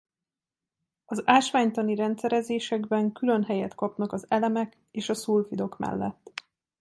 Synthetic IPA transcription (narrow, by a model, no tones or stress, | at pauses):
ɒzaːʃʋaːɲt̪ɒniɾɛnt̪sɛɾɛzeːʃɛɡbɛŋkylø̞nɦɛjɛt̪kɒpnɒkɒzɛlɛmɛk | eːʃɒsuːlfid̪o̞kmɛ̰lːɛ̰t̪ː